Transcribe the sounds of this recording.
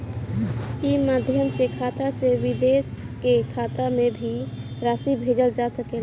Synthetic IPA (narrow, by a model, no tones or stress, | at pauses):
imaːd̪ʱjəmsekʰaːt̪asewɪd̪eːskekʰaːt̪amẽbʱiɾaːsibʱeːd͡ʒəld͡ʒasəkel